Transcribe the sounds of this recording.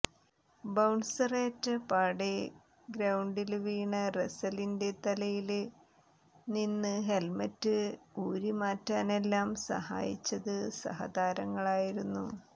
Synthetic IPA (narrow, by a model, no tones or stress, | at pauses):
bɐwɳsɐreːtːɐpaːɽe | ɡɾɐwɳɖilʋiːɳɐresɐlinde̞t̪ɐlɐjil | ninːɨɦe̞lmɐtːɨuːɾimaːtːaːne̞lːaːmsɐ̰ɦa̰ːjḭt͡ɕːɐðɨsɐ̰ɦɐ̰d̪aːɾɐŋːɐɭaːjiɾunːu